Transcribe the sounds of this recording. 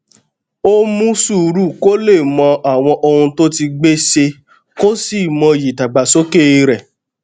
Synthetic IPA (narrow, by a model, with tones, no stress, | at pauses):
o˦mũ˦su˦˨ɾu˦˨ko˦le˦˨mɔ̃˧a˨w̃ɔ̃˧ʔo˧hũ˧to˦ti˧ɡ͡be˦se˧ | ko˦si˦˨mɔ̃˧ji˨ta˨ɡ͡ba˨so˦ke˦˨i˧ɾɛ˨